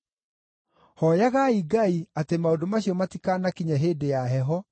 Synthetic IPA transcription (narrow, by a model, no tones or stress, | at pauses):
hɔjaɣaiɡaiatemaodomaɕiɔmatikaːnakiɲaɦedejaɦɛɦɔ